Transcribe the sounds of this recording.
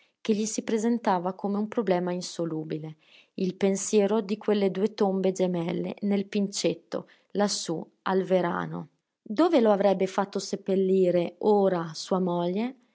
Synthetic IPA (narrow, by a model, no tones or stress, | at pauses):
k̟eʎːisipɾezent̪aːvakomeumpɾoblɛːmainsoluːbile | ilpensjɛːɾod̪ikwelːed̪uːet̪ombed͡ʒemɛlːḛnelpint͡ʃet̪ːo̰ | lasːu | alveɾa̰ːno̰ | d̪oːveloavɾɛbːefat̪ːosepːelːiːɾeoːɾasuːamɔʎːe